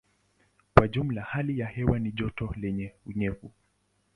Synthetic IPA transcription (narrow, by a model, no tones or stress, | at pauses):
kwaʄum̩lahalijahɛwaniʄɔtɔlɛɲɛuɲɛvu